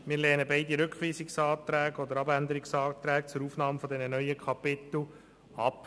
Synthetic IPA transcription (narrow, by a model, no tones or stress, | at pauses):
mɪːɾlɛːnəbɛɪdiɾʏkχʋiːsɪksɑːt̪ɾæːɡɔd̪əɾɑbænd̪əɾɪksɑːt̪ɾɛːkt͡sʊɾuːfnɑːmfɔd̪ɛnənœʏəkʰɑpɪt̪l̩ | ɑp